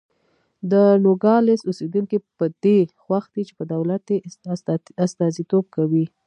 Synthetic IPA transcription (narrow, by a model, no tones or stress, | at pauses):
d̪ənoɡɑlɪsused̪uŋkipəd̪̥exwaxd̪it͡ʃe̥pəd̪awlat̪e | ast̪ɑzit̪ob̚kawi